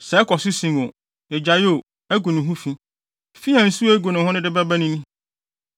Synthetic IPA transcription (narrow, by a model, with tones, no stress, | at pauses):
sɛ˨ɛ˦kʰɔ˨sʊ˦sĩ˨ŋ˨o˨ | ɛ˨d͡ʑa˨jo˦˨ | æ˦ɡu˨nʊ̃˨ɦũ˦fĩ˦ | fi˦ã˨n̩˨˦su˦æ˦ɡu˨nʊ̃˨ɦʊ̃˦nɪ̃˦dɪ˦ba˦bæ˦nĩ˦nĩ˦